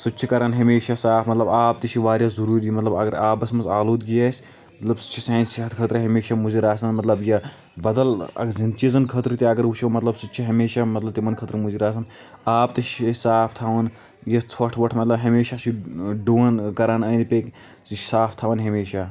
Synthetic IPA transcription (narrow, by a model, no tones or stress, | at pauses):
sutːt͡ʃʰikɐɾaːnɦɐmeːʃasaːpʰmɐt̪lɐbaːp̚t̪it͡ʃʰiʋaːɾjaːzuɾuːɾimɐt̪lɐbɐ̰ɡɐɾaːpɐsmɐnzaːloːd̪ɡijaːsʲ | mɐt̪lɐbsu̥t͡ʃʰisãːnsiɦɐt̪ʰkʰɐt̪ɾɨɦɐmeːʃamuziɾaːsɐnmɐt̪lɐbjɐ | bɐd̪ɐlɐ̰ɡzɐnt͡ʃizɐnkʰɐt̪ɾɨt̪iɐɡɐɾuʃʰimɐt̪lɐbsutːt͡ʃʰiɦɐmeːʃamɐt̪lɐbt̪imɐnkʰɐt̪ɾɨmuziɾaːs̬ɐn | aːp̚t̪it͡ʃʰisaːpʰt̪ʰaːʋɐn | jɐt͡sʰɐʈʰʋɐʈʰmɐt̪lɐbɦɐmeːʃat͡ʃʰiɖuːɐnkɐɾaːnɐːnipeːk | saːpʰt̪ʰaːʋɐnɦɐmeːʃaː